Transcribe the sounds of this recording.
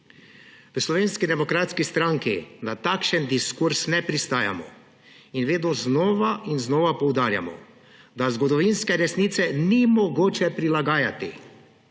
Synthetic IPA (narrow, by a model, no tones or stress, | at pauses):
ʋəslɔʋeːnskid̪ɛmɔkɾaːt̪skist̪ɾaŋkḭnat̪akʃənd̪iskuɾsnɛpɾist̪aːja̰mɔ̰ | inʋeːd̪oznɔːʋaʔinznɔːʋapɔwd̪aːɾja̰mɔ̰ | d̪azɡɔd̪ɔʋinskɛɾɛsnit̪sɛnimɔɡoːt͡ʃɛpɾilaɡaːjat̪ḭ